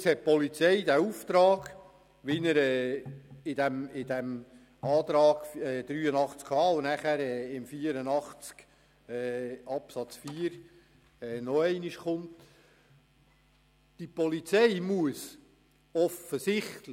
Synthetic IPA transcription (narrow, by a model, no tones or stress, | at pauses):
shɛt̚pɔlit͡sɛɪd̪æuft̪ɾɑːɡ̥ | ʋinəɾɛːɪdæmɪdæm | ɑːt̪ɾɑːɡ̥fɛːd̥̪ɾyːənɑχt͡skʰɑːʊnæχæɾɛːɪmfiːəɾənɑχt͡sk | ɛːɑpsɑt͡sfiːəɾ | ɛːnɔɛɪnɪʃχʊnt | d̥ipɔlit͡sɛɪmuəs | ɔfəsɪχtlə